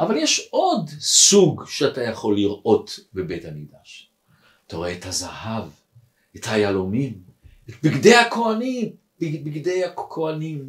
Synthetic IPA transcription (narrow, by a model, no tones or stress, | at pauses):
ʔavaljeʃo̞dsuɡʃeatajaχo̞lːiʁʔo̞tbebe̞thamiɡdaʃ | ataʁeethazahav | ethajalomimet̚biɡde̞jhako̞anim | bbiɡde̞jakʰoanim